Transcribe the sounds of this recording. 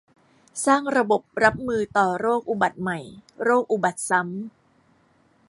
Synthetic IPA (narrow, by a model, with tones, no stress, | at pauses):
saː˥˩ŋɾa˧bo˨˩p̚ɾa˦˥p̚mɯː˧t̪ɔː˨˩ɾoː˥˩k̚ʔu˨˩ba˨˩t̪̚ma˨˩jɾoː˥˩k̚ʔu˨˩ba˨˩t̪̚sa˦˥m